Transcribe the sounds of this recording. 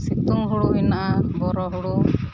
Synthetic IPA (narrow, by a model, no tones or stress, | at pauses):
sit̪uŋɦuɽuinabɔɾɔɦuɽu